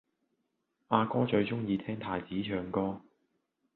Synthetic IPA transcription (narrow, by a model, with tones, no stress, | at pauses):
ʔaː˧kɔː˥t͡ʃɵ˨˧ɥt͡ʃʊ˥ŋjiː˧t̪ʰɛː˥ŋt̪ʰaː˨˩jt͡siː˨˥t͡ʃʰœː˨˧ŋkɔː˥